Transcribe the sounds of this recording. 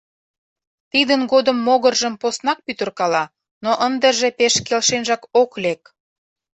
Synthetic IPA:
t̪id̪ənɡod̪əmːoɣərʒəmposnɑk̚pyt̪ə̆rkɑlɑ | noʔənd̪əʒepeʃkelʃenʒɑkoklek̚

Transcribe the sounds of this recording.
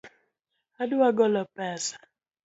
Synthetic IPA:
aduaɡɔlɔpɛsḁ

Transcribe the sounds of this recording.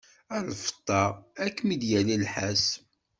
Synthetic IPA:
ænfə̥t̪ˤːɑækːmid̪jælilħæs

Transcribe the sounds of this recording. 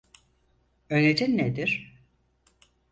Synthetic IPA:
øned͡ʒɛned̪iɾ̥

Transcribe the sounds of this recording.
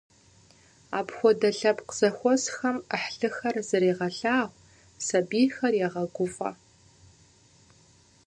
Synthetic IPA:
a̰ːpxʷɔdɐɬɐpqz̥ɐxʷɔsxɐməħɬɨxɐrzɨɾiːʁɐɬaːʁʷ | sɐbiːxɐrjaʁɐɡʷʊfʼɐ̰

